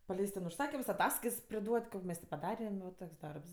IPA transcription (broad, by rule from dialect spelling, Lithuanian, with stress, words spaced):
pɐˈlʲɛɪst tʲɛn ʊʃˈsɑːkʲɪms ɐˈtɑːskɐɪts pʲrʲɪˈduɔtʲ ˈkoː mʲɛs tʲɪ pɐˈdɑːrʲɛm ʋɐ ˈtoːks ˈdɐrps